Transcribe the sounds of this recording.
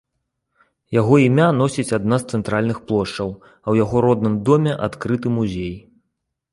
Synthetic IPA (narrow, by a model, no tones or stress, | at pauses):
jaɣɔimʲanɔsʲit͡sʲad̪nast̪sɛnt̪ɾalʲnɨxplˠɔʂt͡ʂɐw | ɐwjaɣɔɾɔd̪nɨmd̪ɔmʲɛʔat̪kɾɨt̪ɨmuzʲej